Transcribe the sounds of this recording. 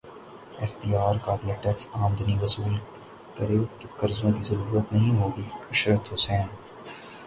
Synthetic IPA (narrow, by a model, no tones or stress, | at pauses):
ɛːfbiːaːɾkaːbleʈɛksaːmd̪ɐniʋɐsuːl | kɐɾeːt̪okɐɾzõkizɐɾuːɾət̪nɐɦĩɦoːɡiːɐʃɾət̪ɦʊsɛːn